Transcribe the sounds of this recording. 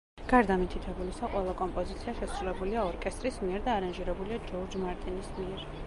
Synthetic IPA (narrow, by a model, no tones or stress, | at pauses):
ɡ̥aɾd̪amit̪ʰit̪ʰɛbulisaqʼwɛlˠakʼɔmpʼɔzit̪sʰiaʃɛsɾulɛbuliaɔɾkʼɛst̪ʼɾismiɛɾd̪aːɾanʒiɾɛbuliad͡ʒɔɾd͡ʒmaɾt̪ʼinismiɛɾ